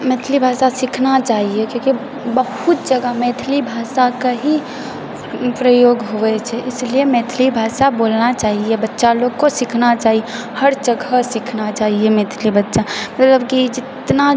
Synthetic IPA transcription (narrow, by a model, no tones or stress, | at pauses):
meːt̪ʰlibʱasasikʰnat͡ʃaːɦiekjõki | bəɦut̪̚d͡ʒəɡəmet̪ʰlibʱasakəɦi | pɾəjoɡɦoʋɛt͡ʃʰɛʔɪsliemet̪ʰlibʱasabolnat͡ʃaːɦiebətːʃaloɡkosikʰnat͡ʃaɦie | həɾd͡ʒəɡʱəsikʰnat͡ʃaːɦiemet̪ʰlibətːʃamət̪ləbkid͡ʒɪt̪na